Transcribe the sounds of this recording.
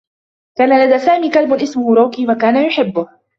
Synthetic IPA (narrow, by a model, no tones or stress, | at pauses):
kaːnalad̪aːsaːmiːkalbʊʔɪsmʊhʊɾˤoːkiːwakaːnajʊħɪbːʊh